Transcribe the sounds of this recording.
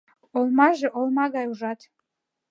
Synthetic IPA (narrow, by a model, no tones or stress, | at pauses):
olmaʒeʔolmaɡajuʒatʰ